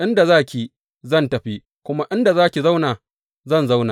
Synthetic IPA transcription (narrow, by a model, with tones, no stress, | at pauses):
ʔɪ˦nda˨zaː˦˨kʲi˨ | zɐ˦˨ntɐ˨ɸi˦ | kʷʊ˦ma˦ʔɪ˦nda˨zaː˦kʲi˨za˦wnaː˨ | zɐ˦˨nza˦wna˨